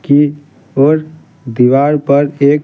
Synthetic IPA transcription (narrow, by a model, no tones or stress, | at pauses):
ki | oɾ | d̪iʋaɾpəɾek